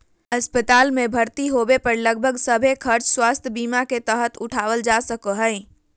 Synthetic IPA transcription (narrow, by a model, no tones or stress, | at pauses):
əspət̪aːlmebʱəɾt̪iɦobepəɾləɡ̚bʱəɡsəbʱekʰəɾt͡ʃswaːst̪ʰbiːmaket̪əɦət̪ʊʈʰaːʋəld͡ʒasəkəɦəɪ